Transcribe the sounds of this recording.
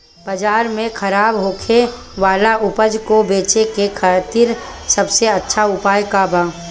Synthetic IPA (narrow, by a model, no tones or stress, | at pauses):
bɐd͡ʒaːɾmẽkʰɐɾaːbɦoːkʰe | ʋaːlaʔʊpəd͡ʒkobeːt͡ʃekekʰət̪iːɾsɐbseɐtːʃʰaʊpaːjkaːbaː